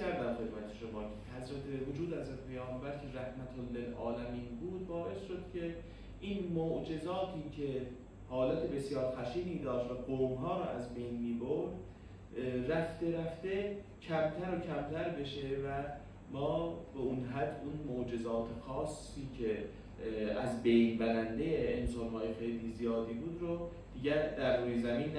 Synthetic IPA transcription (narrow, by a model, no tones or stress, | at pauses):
æɾd̪æmxe̞d̪mæt̪ʰeʃo̞mɒːcʰe̥hæzɾæt̪ʰevod͡ʒuːd̪hæzɾæt̪ʰepʰejɒːmbælcʰeɾæhmæt̪ʰolːelʔɒ̰ːlæmiːnbuːd̪vɒːʔe̞sʃod̪̥cʲʰe̞ | ʔiːnmoʔd͡ʒe̞zɒːt̪ʰiːcʰe̞ | hɒːlæt̪ʰe̞be̞sjɒːɾxæʃiːniːd̪ɒːʃt̪væɡoːmɦɒːɾɒ̰ːʔæzbe̞jnmiːboɾd̪ | ræft̪e̞ɾæft̪e̞ | cʰæmt̪ʰæɾocʰæmt̪ʰæɾbe̞ʃevæ | mɒːbeunɦæd̪unmoʔd͡ʒe̞zɒːt̪ʰexɒːsːiːcʰe̞ | æzbe̞jnbæɾænd̪ejeːnsɑnhɒːjexejliːzijɒːd̪iːbuːd̪ɾo | d̪̥iːɟæd̪æɾːuːjezæmiːnː